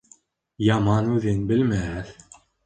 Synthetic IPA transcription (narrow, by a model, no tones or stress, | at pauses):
jɑmɑnuðenbɪlmæθ